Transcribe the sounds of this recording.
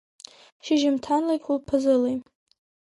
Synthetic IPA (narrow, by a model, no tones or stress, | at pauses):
ʃiʒɪmtʰanlakʲʼʰulpʰɨzɨlej